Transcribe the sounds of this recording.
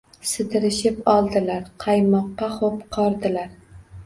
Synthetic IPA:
sɪd̪ɪɾɪʃɪpɒlˠd̪ɪlaɾqʰɑjmɒqːɑχopqʰɒɾd̪ɪlaɾ

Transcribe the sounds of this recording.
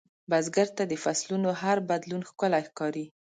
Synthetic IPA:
bazɡaɾt̪ad̪əfaslunoɦaɾbad̪lunxkʊlajxkɑɾi

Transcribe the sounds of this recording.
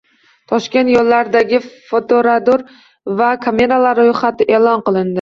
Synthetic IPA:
t̪ʰɒʃkʲe̞nt̪jɒlːaɾd̪aɡʲɪfot̪ʰoɾad̪oɾ | vakʰame̞ɾalaɾojχat̪ʰɪʔe̞lˠɒnqɨlˠɪnd̪ɪ

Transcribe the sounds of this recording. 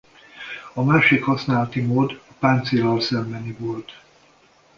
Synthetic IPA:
ɒmaːʃikhɒsnaːlɒt̪imoːd̪ɒpaːnt̪silɒlsɛmbɛnivo̞lt̪

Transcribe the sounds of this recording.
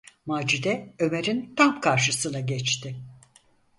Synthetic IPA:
maːd͡ʒid̪ɛø̞me̞ɾint̪ʰamkʰaɾʃɯsɯnaɟɛt͡ʃt̪ʰɪ

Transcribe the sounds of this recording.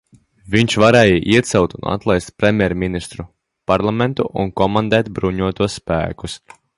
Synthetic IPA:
vʲiɲt͡ʃvaɾɛjiʔiɛt̪sɛwt̪una̰t̪lˠajst̪̚pɾʲɛmʲjɛɾmʲinist̪ɾu | paɾlˠamɛnt̪uʔṵnkɔmand̪ɛːt̪bɾuɲuɔt̪uɔsːpæ̰ːkus

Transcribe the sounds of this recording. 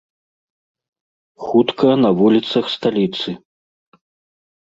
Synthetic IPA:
xut̪kɐnɐvulʲit̪sɐxst̪alʲit̪sɨ

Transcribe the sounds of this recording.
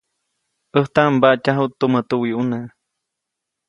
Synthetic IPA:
ʔəht̪aʔmbaʔcaɦut̪ːumət̪uwiʔuna

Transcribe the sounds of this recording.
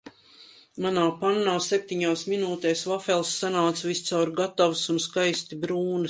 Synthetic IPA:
manaːpanːawsep̚ʲt̪iɲaːsminuːt̪ɛːsvafɛlˠsːanaːt̪svist̪sawɾɡat̪avsunskajst̪ibɾuːnɨ

